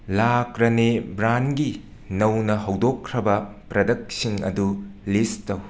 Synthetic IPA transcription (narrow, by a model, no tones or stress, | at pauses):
lakɾɐnebɾanɡi | nɐwnɐɦɐwdokʰːɾɐbɐ | pɾɐdɐk̚siŋɐ̰dulistɐw